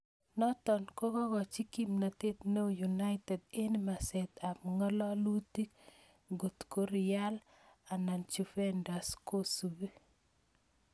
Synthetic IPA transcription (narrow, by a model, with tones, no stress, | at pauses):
nɔ˦tɔ˨nko˦kɔ˦ɡɔ˨t͡ʃi˦ki˨mna˨t̪e˦t̪ne˦˨ju˨na˦ɪtɛ˨de˦nma˨sɛ˨t̪a˨mŋɔ˦lɔ˦lu˦ti˦k̚ | ɡo˨t̪ko˦ɾɪ˨ja˦l | a˨na˨nt͡ʃu˨fɛ˦nda˨sko˦su˨be˦